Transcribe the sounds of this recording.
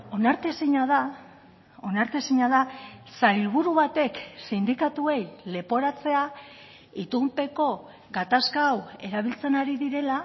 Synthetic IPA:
o̞naɾt̪esiɲaða | o̞naɾt̪e̞siɲaðasajlβuɾuβat̪e̞ksind̪ikat̪ue̞jle̞po̞ɾat͡se̞a | it̪umpe̞ko̞ | ɡat̪askaːwe̞ɾaβ̞ilt͡se̞naɾiðiɾe̞la

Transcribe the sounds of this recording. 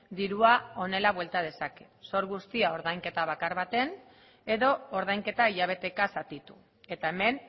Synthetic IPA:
d̪iɾuao̞ne̞laβwe̞lt̪að̞e̞sake̞so̞ɾɣust̪iao̞ɾðajŋke̞t̪aβ̞akaɾβat̪e̞n | e̞ðo̞ːɾð̞ajŋke̞t̪aiʎaβ̞e̞t̪e̞kasat̪it̪u̥ | e̞t̪ae̞me̞n

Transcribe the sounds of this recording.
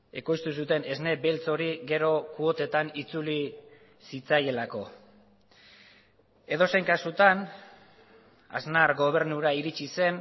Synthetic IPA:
e̞ko̞jst̪usut̪e̞ne̞zne̞be̞lt͡so̞ɾiɣe̞ɾo̞kuo̞t̪e̞t̪anit͡suli | sit͡saje̞lako̞ | e̞ð̞o̞sejŋkasut̪an | a̰znaɾɡo̞β̞e̞ɾnuɾaiɾit͡ʃise̞n

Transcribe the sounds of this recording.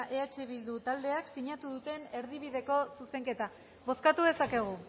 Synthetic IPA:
ʔeat͡ʃeβild̪ut̪ald̪e̞aksiɲat̪uðut̪e̞ne̞ɾðiβ̞iðe̞ko̞suse̞ŋke̞t̪a | βo̞skat̪uð̞e̞sake̞ɣ̞u

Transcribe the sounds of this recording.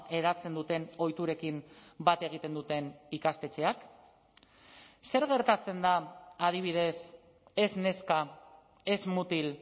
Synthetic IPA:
e̞ðat͡se̞nd̪ut̪e̞no̞jt̪uɾe̞kimbat̪e̞ɣ̞it̪e̞nd̪ut̪e̞nikast̪e̞t͡ʃe̞ak | se̞ɾɣe̞ɾt̪at͡se̞nd̪aːð̞iβ̞iðe̞s | e̞zne̞ska | e̞zmut̪il

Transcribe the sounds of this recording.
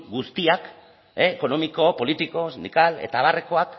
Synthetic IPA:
ɡust̪iak | eeko̞no̞miko̞po̞lit̪iko̞sind̪ikale̞̰t̪aːβ̞are̞ko̞ak

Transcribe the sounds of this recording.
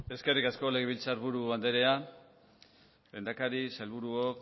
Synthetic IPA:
e̞ske̞rikasko̞le̞ɣeβilt͡saɾβuɾuβand̪e̞ɾe̞a | lend̪akaɾisalβuɾuok

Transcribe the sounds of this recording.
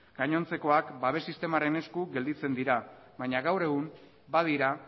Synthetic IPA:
ɡ̥aɲo̞nt͡se̞ko̞akbaβe̞sist̪e̞maɾe̞ne̞skuɣe̞ld̪it͡se̞nd̪iɾa | βajɲaɣawɾe̞ɣum | baðiɾa

